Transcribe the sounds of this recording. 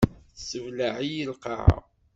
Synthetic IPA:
səvlaʕijəlqɑ̰ʕa̰

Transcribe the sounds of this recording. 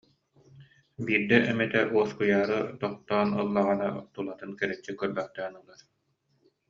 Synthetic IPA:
biːɾd̪ɛʔɛmɛt̪ɛʔuɔskujaːɾɯt̪ɔqt̪ɔːnɯlˠːaʁɯnat̪ulˠat̪ɯnkɛɾɛt͡ɕːikœɾbœχt̪ɛːnɯlˠaɾ

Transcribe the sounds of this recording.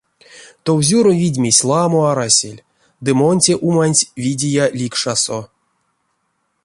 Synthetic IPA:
t̪owzʲuɾovʲidʲmʲisʲlˠamoaɾasʲḛlʲ | d̪ɨmonʲtʲeʔumanʲtʲvʲidʲijalʲikʂaso

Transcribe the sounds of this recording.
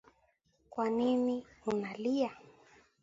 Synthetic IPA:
kwaniniunalia

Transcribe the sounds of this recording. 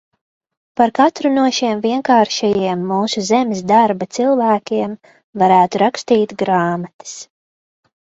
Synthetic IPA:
paɾkat̪ɾunuɔʃiɛmviɛŋkaːɾʃajiɛmːuːsuzɛmɪs̬d̪aɾbat̪silˠvæːkʲiɛm | vaɾæːt̪uɾakst̪iːt̪ɡɾaːmat̪i̥s

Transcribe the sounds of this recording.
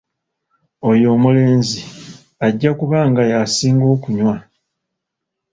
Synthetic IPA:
o̞jo̞ːmule̞ːnzi | aɟːakuβaːŋɡajasiːŋɡo̞ːkuɲwa

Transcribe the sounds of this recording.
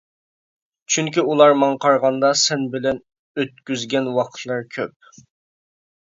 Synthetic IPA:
t͡ʃʰyŋkʲiulˠɑɾmɑŋqʰɑɾʁɑnd̪ɑsɛnbɪlɛn | øt̪̚kʲyzɡʲɛnwɑqʰt̪ʰlˠɑɾkʲʰøp̚

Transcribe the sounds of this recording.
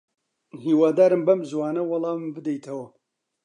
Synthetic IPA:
hiːwaːd̪aːɾɨmbɐmzwaːnɐwɑlˠɑːmɨmbɨd̪ejt̪ʰɐwɐ

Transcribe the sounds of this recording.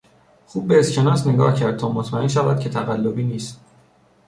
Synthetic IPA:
xuːb̚ːeːscʰe̞nɒːsne̞ɡɒ̰ːhcʰæɾd̪̚t̪ʰɒːmot̪ʰmæenʃ̬ævæd̪̚cʰe̞t̪ʰæɣælːobiːniːst̪̚

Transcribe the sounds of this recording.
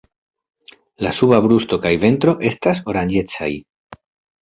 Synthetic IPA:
la̰suβabɾusto̞kajve̞ntɾo̞ʔe̞staso̞ɾand͡ʒe̞t͡sa̰j

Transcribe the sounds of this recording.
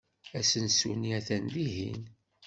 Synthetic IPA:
æsənsṵniæθænliɦḭn

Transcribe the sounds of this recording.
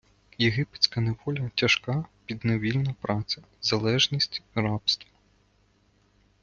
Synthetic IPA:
jeɦɪpe̥t͡sʲkɐneʋɔlʲɐtʲɐʃkɑpʲid̪neʋʲilʲnɐpɾɑt͡s̪ʲɐ | zɐlˠɛʒnʲisʲtʲrɑpst̪ʋɐ

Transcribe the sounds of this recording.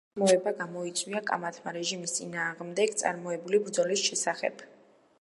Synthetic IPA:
mɔɛbaɡamɔit̪sʼwiakʼa̰mat̪ʰmaɾɛʒimist̪sʼinaːʁmd̪ɛɡt̪sʼa̰ɾmɔɛbulibɾd̪zɔlisʃɛsaχɛ̰b̥

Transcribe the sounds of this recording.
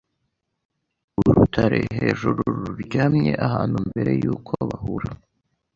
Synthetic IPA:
uɾutʰaɾe̞ɦeːʒuɾuɾuɾɟaːmɲe̞ʔahaːnhumbe̞ɾe̞juːkʰo̞βahuɾa

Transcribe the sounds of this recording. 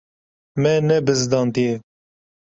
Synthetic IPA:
mɛnɛbɨzd̪ɑːnt̪ije

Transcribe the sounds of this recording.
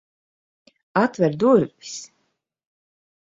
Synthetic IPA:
at̪vɛɾd̪uɾvvʲi̥s

